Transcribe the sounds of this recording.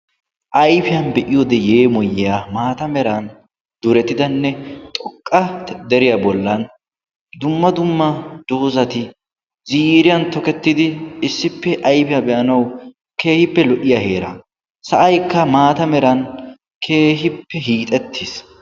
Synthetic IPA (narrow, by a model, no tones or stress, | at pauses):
ʔɐjfɪjɐnbɛʔɪjɔd̪ɛje̞ːmɔjːɪjamaːt̪ɐmɛɾɐn | d̪ʊɾɛt̪ːɪd̪ɐnːɛt̪ʼɔkʼːɐd̪ɛɾɪjabɔlːɐn | d̪ʊmːɐd̪ʊmːɐd̪̥oːzɐt̪ɪ | ziːɾɪjɐnt̪ɔkɛt̪ːɪd̪ɪɪsːɪpːɛʔɐjfɪjɐbɛʔɐnɐw | ke̞ːhɪpːɛlɔʔɪjahe̞ːɾɐ̰ | sɐʔɐjkːɐmaːt̪ɐmɛɾɐn | kʰe̞ːɦɪpːɛɦiːt̪ʼɛt̪ʰːɪs